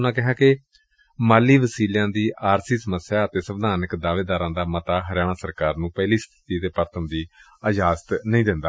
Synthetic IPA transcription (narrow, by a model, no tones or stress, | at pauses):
nãːkɪɦãːkɪ | maːliːʋəsiːljãːd̪iːʔaːɾsiːsəməsjaːət̪eːsəbd̪ʱaːnɪkd̪aːʋeːd̪aːɾãːd̪aːmət̪aːɦəɾjaːɽ̃ãːsəɾkaːɾnũːpɛːliːst̪ʰɪ̥t̪iːət̪eːpəɾt̪ʰəmd̪iː | əd͡ʒaːzt̪nəĩːd̪ɪnd̪aː